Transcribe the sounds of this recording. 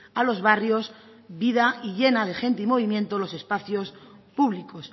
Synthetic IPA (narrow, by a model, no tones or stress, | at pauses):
alo̞zβarjo̞s | βiðaʔiʎe̞nað̞e̞xe̞nt̪eimo̞βimjẽ̞nt̪olo̞se̞spaθjo̞s | puβlikos